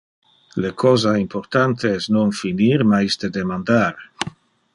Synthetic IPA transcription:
lekʰɔzaimpoɾt̪ant̪eɛsnonfiniɾmajsd̪ed̪emand̪aɾ

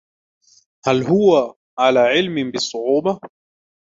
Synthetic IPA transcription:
halɦʊwa | ʕalaːʕɪlmɪbɪsˤːʊʕuːbɑ

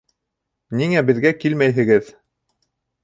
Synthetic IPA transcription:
niŋæbɘ̆ðɡækilmæjɦɘ̆ɡɘð

